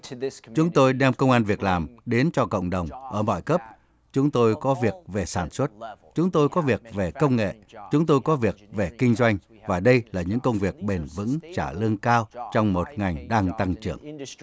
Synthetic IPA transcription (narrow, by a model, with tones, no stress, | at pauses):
t͡ɕʊ˨˦ŋ͡mt̪o˧jɗɛ˧mkə˧wŋ͡mʔaː˧nvi˨˩ək̚laː˨˩mɗe˨˦nt͡ɕɔ˧kə̰˧˨wŋ͡mɗə˨˩wŋ͡mʔəː˧˩mɔ̰˧˨jkə˦˥p̚ | t͡ɕʊ˨˦ŋ͡mt̪o˧jkɔ˨˦vi˨˩ək̚ve˨˩saː˧˩nswə˦˥t̚t͡ɕʊ˨˦ŋ͡mt̪o˧jkɔ˨˦vi˨˩ək̚ve˨˩kə˧wŋ͡mŋḛ˧˨t͡ɕʊ˨˦ŋ͡mt̪o˧jkɔ˨˦vi˨˩ək̚ve˨˩kï˧ŋ̟zwa˧jŋ̟ | vaː˨˩ɗə˧jlaː˨˩ɲɨ̰˧˥ŋkə˧wŋ͡mvi˨˩ək̚ɓe˨˩nvɨ̰˧˥ŋt͡ɕaː˧˩lɨ˧əŋkaː˧wt͡ɕɔ˧wŋ͡mmo˨˩t̚ŋa˨˩jŋ̟ɗaː˧ŋt̪a˧ŋt͡ɕɨ̰˧˩əŋ